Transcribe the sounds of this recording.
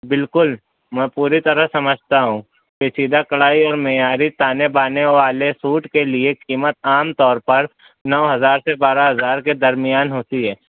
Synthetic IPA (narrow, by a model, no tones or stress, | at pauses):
bɪlkʊl | mɛ̃ːpuːɾit̪ɐɾəɦsɐməd͡ʒʱt̪aɦũː | peːsiːd̪akɐɭaːiɔːɾmejaːɾit̪aːnebaːneʋaːlesuːʈkeliekiːmət̪̚aːmt̪ɔːɾpɐɾ | nɔʋɦɐzaːɾsebaːɾaɦɐzaːɾked̪ɐɾmɪjaːnɦoːt̪iɦɛː